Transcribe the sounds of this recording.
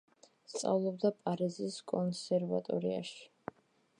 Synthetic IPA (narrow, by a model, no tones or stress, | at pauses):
st̪sʼa̰vlˠɔb̚d̪apʼaɾiziskʼɔnsɛɾva̰t̪ʼɔɾia̰ʃi̥